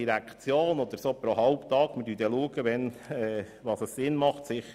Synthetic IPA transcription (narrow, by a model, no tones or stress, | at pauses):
iɾækχt͡sjoːnɔd̪əɾsoːpɾoɦɑlpt̪ɑːɡ̥məd̥yːd̥̪ɛluəɡəʋɛnɛː | ʋɑːsəssɪnmɑχt̪sɪχə